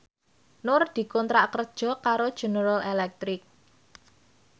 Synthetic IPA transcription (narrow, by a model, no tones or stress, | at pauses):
nʊrd̪̥i̤kɔnt̪ɾaʔkərd̥ʒ̥ɔ̤kaɾod̥ʒ̥ṳnəɾalelɛk̚t̪ɾɪk̚